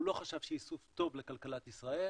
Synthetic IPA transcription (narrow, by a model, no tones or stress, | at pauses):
lo̞χaʃavʃejisuft̪o̞vlekalkalat̪isʁae